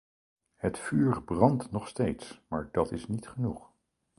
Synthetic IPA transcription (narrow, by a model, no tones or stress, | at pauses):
hətfyːrbrɑntnɔχstejtsmaːɹdɑtɪsnitχənuχ